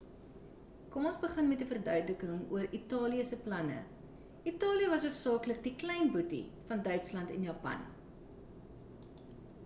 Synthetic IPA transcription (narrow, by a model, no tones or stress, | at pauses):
kɔmɔnsbəχənmɛtəfərdœɥdləkəŋuəritɑːliəsəplɐnə̰ | ʔitɑːliəvɐsuəpsɑːklək̚diklɛjnbutḭfɐndœɥtslɐntɛ̰njɑːpɐ̰n